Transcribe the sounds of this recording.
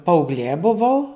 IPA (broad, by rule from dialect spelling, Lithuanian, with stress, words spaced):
pɐɐʊɡˈlʲeː bʊˈʋɐʊ